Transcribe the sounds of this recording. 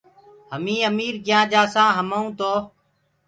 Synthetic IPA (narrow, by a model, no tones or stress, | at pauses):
ɦəmĩːəmiːɾkjãːd͡ʒaːsãːɦəməũːt̪oː